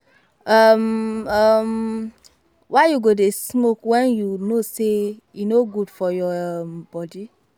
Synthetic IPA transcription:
amam | wʔajuɡodesmokwɛ̃njunosejunoɡudfɔjɔmbɔdi

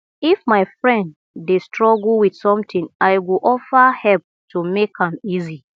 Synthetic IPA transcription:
ifmaɪfɹɛ̃ndː | estɹɔɡlwid̥sɔ̃mtĩŋajwiʔɔfəhɛlp̚tʰumekhãmizi

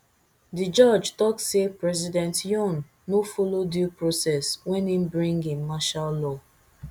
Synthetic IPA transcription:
did͡ʒɔd͡ʒtɔk̚sepɹɛzidɛ̃ntjɔ̃nː | ofolodupɹosɛswɛ̃nimbɹĩŋɡĩmaʃalːɔ

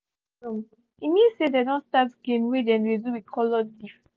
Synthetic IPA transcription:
o | imisedɛdɔ̃nstatɡẽnwedɛ̃ndeduwikʰɔlɔdɡif

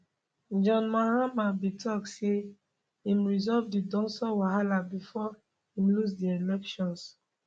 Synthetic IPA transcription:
d͡ʒɔ̃nmaɹamabitʰɔk̚tse | ĩmɹizɔvdidɔ̃nsɔwaɦalabifɔ | ĩmlus̬dielɛkʃɔ̃ns

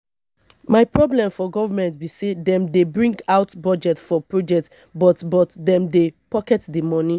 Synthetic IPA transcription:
maɪpɹɔblɛ̃mfɔɡɔvamɛ̃ntbisedɛ̃mdebɹĩŋɡaʊtbɔd͡ʒɛtfɔpɹod͡ʒɛk̚t | bɔtbɔtdɛ̃mdepɔkɛtdəmɔ̃ni

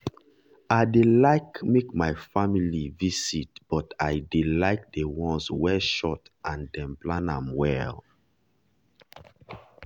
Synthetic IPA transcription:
aɪdelaɪkmekmaɪfamilivisit̚b̥ɔtaɪdelaɪk̚dewɔ̃nswɛʃɔtʔãndɛ̃mplãnãmwɛl

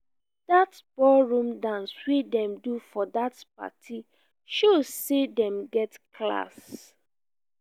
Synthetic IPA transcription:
d̥at | b̥ɔlɹũmdãnswedɛ̃mdufɔdatp̚a̰tʰi | ʃozsːedɛ̃mɡɛtkla̰s

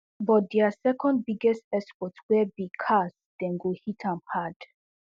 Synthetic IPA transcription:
bɔt̚dɛasɛkɔ̃nd̚biɡɛstɛspɔtswɛbikʰas | d̥ɛ̃nɡohitʰãmhad̥

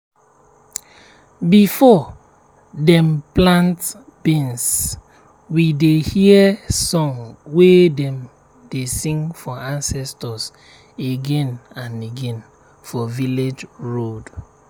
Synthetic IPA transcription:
bifɔ | dɛ̃mplãnt | b̥ĩns | widehiəsɔ̃ŋwedɛ̃m | desĩŋfɔãnsɛstɔs | eɡɛ̃nãneɡɛ̃n | fɔviled͡ʒɹod

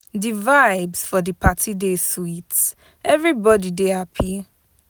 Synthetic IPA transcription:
divaɪbsfɔdipatʰideswits | ɛvɹibɔdideapʰi

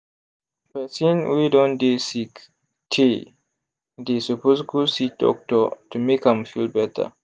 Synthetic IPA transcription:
pɛsĩnwidɔ̃ndesik | tʰe | desuposkusidɔ̰k̚tɔtumekhãmfilbɛtʰə̰

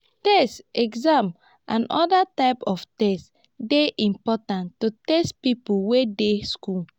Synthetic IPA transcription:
tɛstɛɡzãm | ãnʔɔdataɪpɔftɛst | deʔĩmpɔtãntutestpipuwedesku

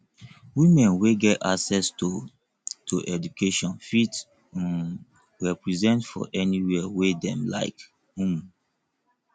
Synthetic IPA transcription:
wimɛ̃nweɡɛta̰sɛst | tʰoʔɛdukʰeʃɔ̃nfit | ɹɛpɹizɛ̃ntfɔ̰ʔɛniwɛwedɛ̃mla̰ɪk | ũm

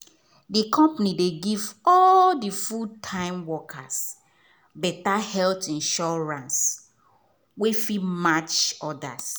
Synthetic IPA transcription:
dikʰɔ̃mpanideɡivɔldifud̚tʰãɪ̃mwɔkʰas | bɛtahɛltĩnʃɔɹãns | wefimat͡ʃɔda̰s

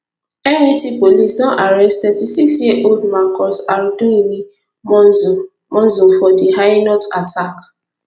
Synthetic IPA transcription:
enĩtipolisnɔ̃ʔaɾɛstɛdisisieʔoldmakɔsaɾduimi | mɔz | mɔ̃n̩zofɔdiɦanɔtatʰak

